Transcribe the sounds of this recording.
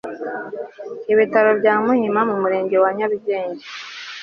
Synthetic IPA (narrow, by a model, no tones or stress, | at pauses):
iβitaɾo̞bɟaːmuɲimamumuɾe̞ːɲɟe̞waɲaɾuɟe̞ːɲɟe